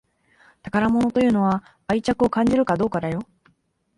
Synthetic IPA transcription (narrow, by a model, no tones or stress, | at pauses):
t̪akaɾamo̞no̞t̪o̞jɯ̟ːno̞βa | ait͡ɕakɯo̞kãɲ̟d͡ʑiɾɯ̟kad̪o̞ːkad̪ajo̞